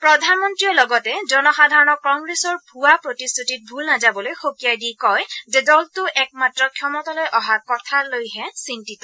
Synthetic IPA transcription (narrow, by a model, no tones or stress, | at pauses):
pɹɔdʱanmɔntɹiɔlɔɡɔtɛzɔnɔxadʱaɹɔnɔkɔŋɡɹesɔɹbʱuwapɹotistʰutit̚bʱulnazabɔlojxokijajdikɔjzɛdɔltʊʔɛk̚matɹɔkʰjɔmɔtalojʔɔɦakɔtʰalojɦɛsintitɔ